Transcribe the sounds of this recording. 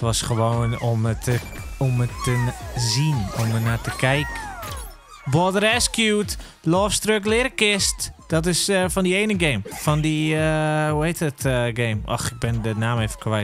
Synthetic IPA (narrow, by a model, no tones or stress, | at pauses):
ətʋɔsχəʋoːnoəomətəzinɔmənatəkʰɛjkə | bɔdəɾɛskjuːt | lɔːfstrøk̬lɪɾəkɪstd̥ɔt̬ɪsfɔndieːnəɡeːmfɔndiəhuheːtətɡeːmʔɔ̰xɪk̚bɪndənaːmeːfəkʰwɛjt